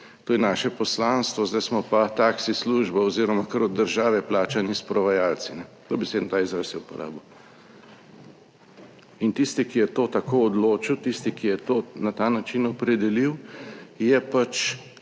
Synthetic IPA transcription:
t̪oːjɛnaːʃɛpɔslanst̪ʋɔzd̪ajsmɔpat̪aksisluʒbaɔziːɾɔmakəɾɔd̪d̪ːəɾʒaːʋɛplaːt͡ʃanispɾɔʋajalt̪sinɛ | t̪obɛseːd̪nt̪aːizɾasiupɔ̰ɾa̰ːbɔ | int̪ist̪ikijɛt̪ot̪akoɔd̪loːt͡ʃiwt̪ist̪ikijɛt̪oːnat̪aːnat͡ʃinɔpɾɛd̪ɛliwjɛpat͡ʃ

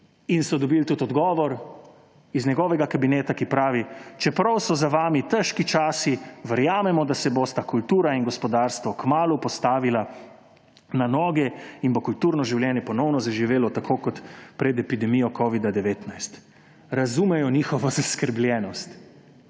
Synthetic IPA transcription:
insɔd̪ɔbilt̪ut̪ɔd̪ɡɔːʋɔɾ | iznɛɡɔːʋɛɡakabineːt̪akipɾaːʋit͡ʃɛpɾɐwsɔzaʋaːmit̪ɛʃkit͡ʃaːsiʋəɾjaːmɛmɔd̪asɛbost̪akult̪uːɾainɡɔspɔd̪aːɾst̪ʋɔkmaːlupɔst̪aːʋila | nanɔːɡɛinbokult̪uːɾnɔʒiwlʲjɛːnjɛpɔnɔwnɔzaʒiʋeːlɔt̪akʰoːkɔt̪pɾɛd̪ɛpid̪ɛmijɔkɔːʋid̪ad̪ɛʋeːt̪najst̪ | ɾazumɛjɔniːxɔʋɔzaskəɾbljɛnɔst̪

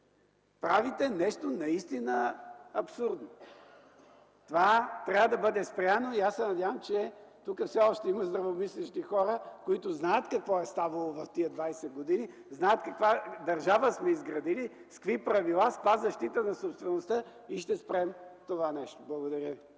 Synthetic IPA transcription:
pɾavit̪ɛnɛʃt̪onɐist̪inəɐpsuɾd̪no | t̪ovat̪ɾʲavəd̪ɐbɤd̪ɛspɾʲanoiasɛnɐd̪ʲjavəmt͡ʃɛt̪ukəfsɛɔʃt̪ɛimɐzd̪ɾɐvomislɛʃt̪ixɔɾəkoit̪ʊznajət̪kɐkvɔɛst̪avɐlˠovɐft̪iəd̪vajsɛd̪̚ɡod̪ini | znaət̪kɐkvad̪ɐɾʒavəsmɛizɡɾɐd̪ili | skvipɾɐvilˠaspazzɐʃt̪it̪ənɐsopst̪vɛnost̪ə | iʃt̪ɛspɾɛmt̪ovanɛʃt̪o̥blˠɐɡod̪ɐɾʲjəvi

